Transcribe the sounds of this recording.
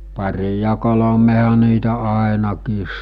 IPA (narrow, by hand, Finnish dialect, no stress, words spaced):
pɑrʲi jɑ kolomehɑ niːtæ ɑˑenɑkiːs